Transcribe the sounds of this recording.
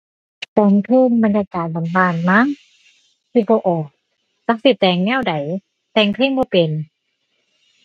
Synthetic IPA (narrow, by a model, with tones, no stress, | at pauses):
t̪ɛː˧˩ŋkʰɯː˥˩˨ŋba˧njaː˧kaː˨˩t̪̚la˨˦mbaː˧˩n̚ma˧˥˨ŋ | sʰiː˧˩bɔː˧ʔɔː˨˩k̚ | sa˧˥k̚si˧˩t̪ɛː˧˩ŋnɛː˧˥˩wda˨˩˦j | t̪ɛː˧ŋkʰli˧˥˩ŋbɔː˧˦pe˨n